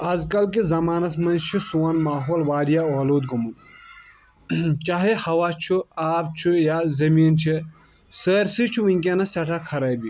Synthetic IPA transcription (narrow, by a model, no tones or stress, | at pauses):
ɐzkɐlk̬izɐmaːnɐt̪mɐ̃nzt͡ʃʰisuːɐnmaːɦoːlʋaːɾijaoːloːd̪ɡumun | t͡ʃaːɦehɐʋaːt͡ʃʰuaːb̚t͡ʃʰujazɐmiːnt͡ʃʰi | səːɾsit͡ʃʰuʋiŋʲkʲanɐsɐʈʰakʰɐɾɐːjbi